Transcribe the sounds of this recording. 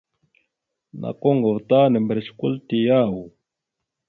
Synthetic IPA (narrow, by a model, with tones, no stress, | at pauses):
nʔa̰˨ko˦ŋɡo˨vt̪aː˦nɛ˨mbɾe˨t͡ʃku˦ltijaː˦wu˨